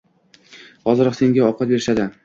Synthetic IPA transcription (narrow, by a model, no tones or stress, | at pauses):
hɒzɨɾɒqse̞ŋɡʲaɒqʰɑt̪̚be̞ɾɪʃad̪ɪ